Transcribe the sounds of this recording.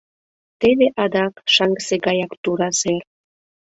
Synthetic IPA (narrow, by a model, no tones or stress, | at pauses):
t̪eβeʔɑd̪ɑkʃɑŋɡəseɡɑjɑkt̪uɾɑzer